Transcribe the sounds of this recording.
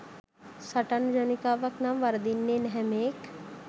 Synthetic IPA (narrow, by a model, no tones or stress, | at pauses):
sɐʈənd͡ʒɐnikaːʋəknaːmʋɐɾd̪inːenɛɦɛmeːk